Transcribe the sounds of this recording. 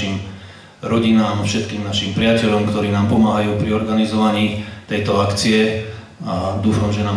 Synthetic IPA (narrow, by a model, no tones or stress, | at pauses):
im | ɾɔɟinaːmafʃɛt̪kiːmnaʃimpɾɪacɛʎɔmkt̪ɔɾiːnaːmpɔmaːɦajuːpɾiɔɾɡanizɔʋaɲiːt̪ɛjt̪ɔakt͡siɛ | ad̪uːfamʒɛnaː